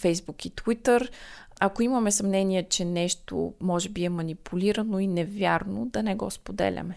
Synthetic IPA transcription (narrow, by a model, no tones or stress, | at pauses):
fɛjzbukit̪wit̪əɾ | ɐkoiməmɛsɐmnɛniɛt͡ʃɛnɛʃt̪o̰mɔʒɛbiɛmɐnipʰuliɾənoinɛvʲjaɾnod̪ɐnɛɡɔspod̪ɛ̰lʲɐ̰mɛ